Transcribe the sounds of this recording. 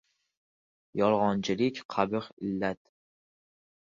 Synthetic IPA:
jɒlˠʁɒnt͡ʃʰɪlɪkʲqʰɑbɨqɪlːat̪̚

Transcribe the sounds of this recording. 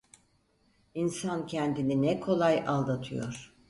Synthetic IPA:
insancʰɛnd̪ininɛkʰo̞lˠajalˠd̪at̪ʰɯjo̞̰ɾ̥

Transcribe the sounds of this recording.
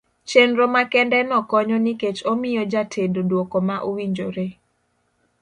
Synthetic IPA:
t͡ʃenɾomakɛndɛnɔkɔɲɔniket͡ʃomɪjɔd͡ʒatʰendodwokɔmaʔowiɲd͡ʒoɾe

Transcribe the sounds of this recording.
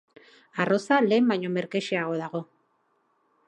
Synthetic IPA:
aro̞sale̞ːmbaɲo̞me̞ɾke̞ʃiaɣ̞o̞ðaɣ̞o̞

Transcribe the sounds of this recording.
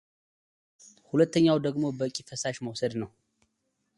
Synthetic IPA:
hulət̪ːəɲːawd̪əɡmo̞bəɨkʲʼːifəsaʃməwsəd̪nəw

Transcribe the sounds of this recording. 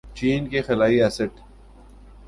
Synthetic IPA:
t͡ʃiːnkexɪlaːiɛsɪʈ

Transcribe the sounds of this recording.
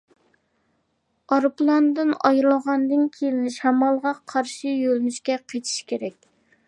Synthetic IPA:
ɑɾplˠɑnd̪ɨnɑjɾlˠəʁɑnd̪ɨnkʲʰelnɪʃɛmɑlˠʁɑqʰɑɾʃijølnyʃkʲɛqʰet̪ʰi̥ʃkʲʰeɾɛkʲ

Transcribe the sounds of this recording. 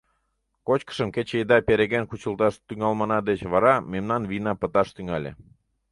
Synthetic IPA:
kot͡ɕkə̥ʃəmket͡ɕejd̪ɑpeɾeɣenkut͡ɕəlt̪ɑʃt̪yŋɑlmɑnɑd̪et͡ɕβɑɾɑmemnɑnvinɑpət̪ɑʃt̪yŋɑlʲḛ

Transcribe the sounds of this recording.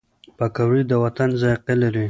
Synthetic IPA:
pakawɾid̪əwat̪anzajqelaɾi

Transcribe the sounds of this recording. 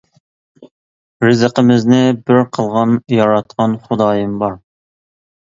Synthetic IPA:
ɾɪzəqəmɪznɪbɪɾqʰəlˠʁɑnjɑɾɑt̪̚qʰɑnχʊd̪ɑːjɨmbɑɾ

